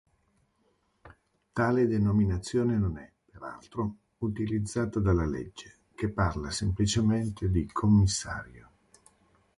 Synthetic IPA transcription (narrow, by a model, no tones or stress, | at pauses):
t̪aːled̪enominat̪sːjoːnenonɛpeɾa̰lt̪ɾo | ut̪ilid̪zːaːt̪ad̪alːalḛd͡ʒːe | kepːarlasemplit͡ʃement̪ʰed̪ikʰomːisːa̰ːɾjo